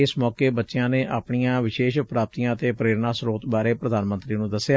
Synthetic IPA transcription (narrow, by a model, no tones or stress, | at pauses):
ɪsmɔːkeːbətːʃejãːneːʔa̰ːpɳijãːʋɪʃeːʃpɾaːp̚t̪ijãːət̪eːpɾeːɾnãːsɾoːt̪baːɾeːpɾəd̪aːnmə̃nt̪ɾiːnũːd̪əsːejaː